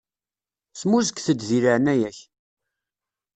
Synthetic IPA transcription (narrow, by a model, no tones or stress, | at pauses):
smuzəkʷθəd̪ðiɾəʕnæjæç